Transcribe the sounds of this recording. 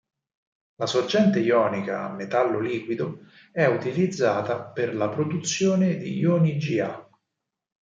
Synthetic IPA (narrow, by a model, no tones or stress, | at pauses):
lasord͡ʒɛnt̪ejɔːnika̰ːmːet̪alːoliːkwid̪o | ɛut̪ilid̪zːaːt̪aperlapɾod̪ut̪sːjoːned̪ḭjoːnid͡ʒia